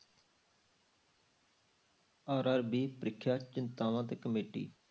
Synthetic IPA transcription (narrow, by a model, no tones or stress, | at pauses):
aːɾaːɾbiːpɾɪkʰːjaːt͡ʃɪnt̪aːʋãːt̪eːkəmeːʈḭː